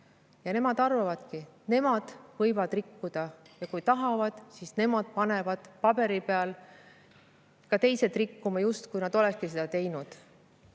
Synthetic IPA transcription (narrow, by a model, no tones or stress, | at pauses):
jɑne̞mɑd̪ɑrvɑvɑd̪̥kine̞mɑd̪̥vɤjvɑd̪̥rikːud̪̥ɑjɑkujt̪ɑɦɑvɑd̪̥sisne̞mɑd̪̥̚pɑne̞vɑd̪̥pɑb̥e̞ɾipeɑl | kɑt̪e̞jsed̪rikːumɑjust̪kujnɑd̪̥o̞lɛkskise̞d̪ɑt̪e̞jnud̪̥